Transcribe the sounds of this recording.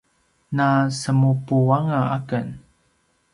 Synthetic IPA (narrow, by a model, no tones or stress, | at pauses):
nasəmupuwaŋaakən